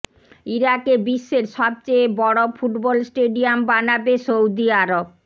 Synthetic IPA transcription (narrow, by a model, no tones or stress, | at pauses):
iɾakebiʃːeɾʃɔb̚t͡ɕebɔɽofʰuʈbɔlsʈeɖiambanabesowd̪iaɾob̚